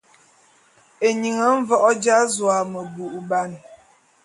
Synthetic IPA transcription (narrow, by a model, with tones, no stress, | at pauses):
e˨ɲi˨ŋə˨˦ɱ̩˦vɔ˦ʔɔ˦d͡ʒa˦zwa˨mə˨bu˨ʔu˨ba˦˨n